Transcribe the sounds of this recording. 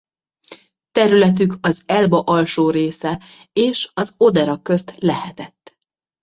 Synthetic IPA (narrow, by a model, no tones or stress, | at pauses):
t̪ɛɾylɛt̪̬ykɒzɛlbɒʔɒlʃoːɾeːsɛ | eːʃɒzod̪ɛɾɒkːø̞st̪lɛhɛt̪ɛt̪ː